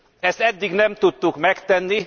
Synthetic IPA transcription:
ɛst̪ɛd̪ːiɡnɛmt̪ut̪ːukmɛkt̪ɛnːi

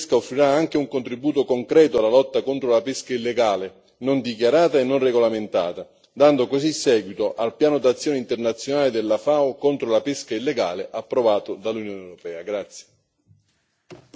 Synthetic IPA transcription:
skaofːɾiɾaaŋk̟euŋkont̪ɾibuːt̪okoŋkɾɛːt̪oalːalɔt̪ːakont̪ɾolapeskailːeɡaːle | nond̪ikjaɾaːt̪aenːonreɡolament̪a̰ːt̪a | d̪and̪okosisːɛːɡwit̪oʔalpjaːnod̪at̪sːjɔːneint̪ernat̪sːjonaːled̪elːafaokont̪ɾolapeskailːeɡa̰ːleʔapːɾovaːt̪od̪alːunjɔːnewɾopɛːaɡɾat̪sːje

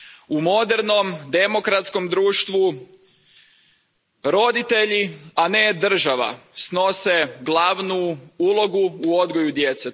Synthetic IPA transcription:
umo̞d̪e̞ɾno̞md̪e̞mo̞kɾat̪sko̞md̪ɾuːʃt̪ʋu | ɾo̞d̪it̪e̞ʎiane̞d̪r̩ʒaʋa̰sno̞seɡlˠaʋnuulˠo̞ɡuːo̞d̪ɡo̞jud̪je̞t̪se

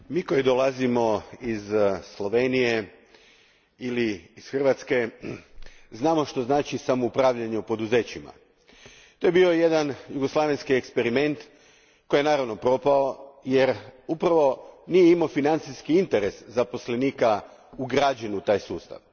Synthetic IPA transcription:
miːkojid̪olˠazimo̞izslˠo̞ʋenije̞ | iliːsxr̩ʋat̪ske̞ | znaːmo̞ʃt̪o̞znaːt͡ʃisamo̞upɾaːʋʎaɲeupo̞d̪uze̞ːt͡ɕima̰ | t̪o̞jebio̞je̞d̪anjuɡoslˠaːʋenʲskiekspe̞ɾime̞nt̪ | kojenaːɾaʋno̞pɾo̞pao̞je̞ɾupɾaʋo̞nijeimofinant̪siskiint̪e̞ɾe̞szapo̞sleniːka | uɡɾaːd͡ʑenut̪aːjsuːst̪a̰ʋ

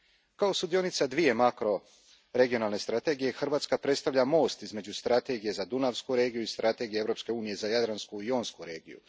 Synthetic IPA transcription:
kaosud̪io̞nit̪sad̪ʋije̞makɾo̞ | ɾe̞ɡijo̞naːlˠne̞st̪ɾat̪e̞ɡije̞xr̩ʋaːt̪skapɾet̪st̪aʋʎamo̞ːst̪izme̞d͡ʒust̪ɾat̪e̞ɡije̞zad̪unaʋskuɾe̞ːɡijuist̪ɾʔat̪e̞ɡijee̞vɾo̞pske̞uːnije̞zajad̪ɾanskuio̞ːnskuɾe̞ːɡḭjṵ

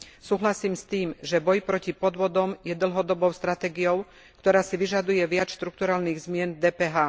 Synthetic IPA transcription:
suːɦlasiːmst̪iːmʒɛbɔjpɾɔcipɔd̪ʋɔd̪ɔmjɛd̪l̩ɦɔd̪ɔbɔʊst̪ɾat̪ɛːɡijɔʊ | kt̪ɔɾaːsiʋiʒad̪ujɛʋɪat͡sʃt̪ɾuk̚t̪uɾaːlniːɣzmɪɛnd̪ɛːpɛːɦaː

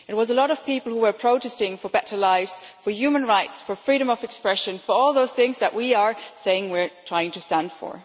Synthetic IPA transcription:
ɨt̚wʌzəlɔɾʌv̥pipl̩ˠhuwə˞pʰɹ̥oʊtɛsɪ̃ŋfə˞bɛɾə˞laɪvz̥fə˞jʉmə̃nɹaɪtsfə˞fɹiɾə̃mʌvɛkspɹɛʃɨ̃nfə˞ɔlˠðoʊz̥θɪ̃ŋzðɨʔwiə˞seɪɪ̃ŋwiɹtʰɹ̥aɪɪ̃ŋtʰɨstæ̃nd̥fə̰ɹ

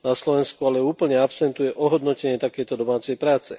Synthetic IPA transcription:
naslɔʋɛnskualɛuːpl̩ɲɛapsɛnt̪ujɛʔɔɦɔd̪nɔcɛɲɪɛt̪akɛjt̪ɔd̪ɔmaːt͡sɛjpɾaːt͡sɛ̰

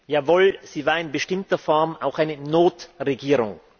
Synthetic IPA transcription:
jaːvoːlz̥iːvaːɐɪnbəʃtɪmtɐfɔɐmaʊxʔaɪnənoːtʁeɡiːʁʊ̰ŋ

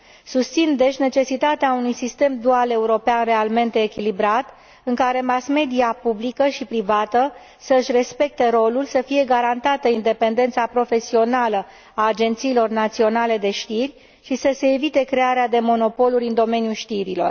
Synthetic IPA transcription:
sust̪sind̪e̞t͡ʃʲne̞t͡ʃe̞sit̪at̪eaunujsist̪e̞md̪uale̞uɾo̞peanre̞alme̞nt̪e̞ːkʲilibɾat̪ | ɨŋkaɾe̞masme̞d̪iapublikəʃipɾivat̪ə | səɨʃre̞spe̞k̚t̪e̞ɾo̞lulsəfije̞ɡaɾant̪at̪əind̪e̞pe̞nd̪e̞nt̪sapɾo̞fe̞sio̞nalə | aːd͡ʒe̞nt̪siːlo̞rnat̪sio̞nale̞d̪e̞ʃt̪irʲ | ʃisəse̞ːvit̪e̞kɾe̞aɾead̪e̞mo̞no̞po̞luɾʲɨnd̪o̞me̞njuʃt̪iɾilo̞̰r

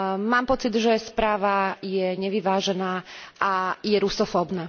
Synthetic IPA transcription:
maːmpɔt͡sid̪ʒɛspɾaːʋajɛɲɛʋiʋaːʒɛnaːʔajɛɾusɔfɔbnaː

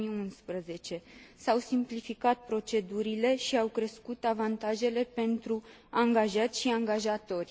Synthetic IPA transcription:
iunspɾəze̞t͡ʃe̞sawsimplifikat̪̚pɾo̞t͡ʃe̞d̪uɾile̞ʃiawkɾe̞skut̪avant̪aʒe̞le̞pe̞nt̪ɾu | aŋɡaʒat̪sʲʃiaŋɡaʒat̪o̞rʲ

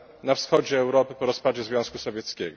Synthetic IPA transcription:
nafsxɔd͡ʑɛːwɾɔpɘpɔɾɔspad͡ʑɛzvʲjɔ̃w̃skusɔvʲjɛt̪skʲɛɡɔ

